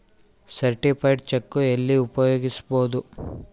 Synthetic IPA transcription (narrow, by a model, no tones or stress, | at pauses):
sɐɾʈipʰɐjɖt͡ʃekːuelːiupɐjoːɡisu̥boːd̪u